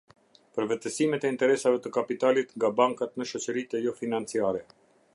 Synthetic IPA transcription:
pəɾvɛt̪əsimɛt̪ɛint̪ɛɾɛsavɛt̪əkapit̪alit̪ŋɡabaŋkat̪nəʃɔt͡ɕəɾit̪ɛjɔfinant͡siaɾɛ

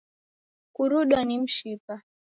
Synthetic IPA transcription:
kuɾuɗwanim̩ʃipa

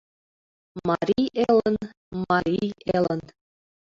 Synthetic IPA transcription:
mɑɾʲijelə̆n | mɑɾʲijelə̆n

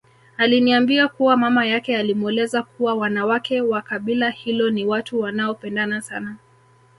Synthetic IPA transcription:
aliniambiakuwamamajakɛalimuɛlɛzakuwawanawakɛwakaɓilahilɔniwatuwanaɔpɛndanasana

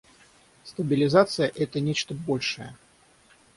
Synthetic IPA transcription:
st̪ɐbʲɪlʲɪzat̪sɨjəʔɛt̪ənʲet͡ɕt̪əbolʲʂəjə

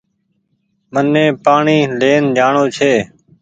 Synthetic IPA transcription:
mənːẽːpaːɳiːleːnd͡ʒaːɳoːt͡ʃʰeː

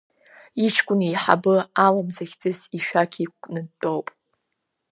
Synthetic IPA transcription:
it͡ʃʰkʷʼʊnijħa̰bɨalamzaxʲt͡sʼɨsiʃᶣakʲʰikʷʼnɨtʼowpʼ

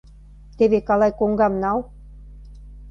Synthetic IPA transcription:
t̪eβekɑlɑjkoŋɡɑmnɑl

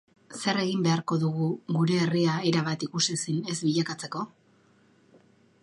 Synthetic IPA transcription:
se̞re̞ɣimbe̞aɾko̞ðuɣuɣuɾe̞ːriae̞ɾaβat̪ikusisine̞zbiʎakat͡se̞ko̞

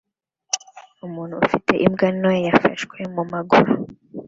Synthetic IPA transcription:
umuːn̤̥uːfitʰe̞ʔimɡanojafaʃkwemumaɡuɾu

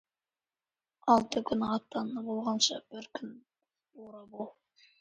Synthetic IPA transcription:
ɑlˠt̪əkʲʰʏnɑt̪ːɑnbolˠʁɑnʃɑb̥ɪɾkʲʰʏn | oɾɑbolˠ

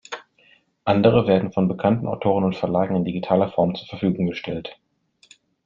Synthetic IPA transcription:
ʔandəʁ̞əveːɐdn̩fɔnbəkʰantn̩ʔaʊtʰoːʁ̞ənʊntfɛɐlaːɡŋ̩ɪndiɡitʰaːlɐfɔɐmt͡suːɐfɛɐfyːɡʊŋɡəʃtʰɛlt

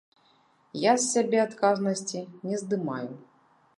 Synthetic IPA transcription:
jasʲːabʲɛat̪kaznɐsʲt͡sʲinʲɛzd̪ɨma̰ju

